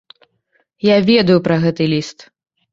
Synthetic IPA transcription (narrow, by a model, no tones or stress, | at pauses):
javʲɛd̪ɐjupɾɐɣɛt̪ɨlʲist̪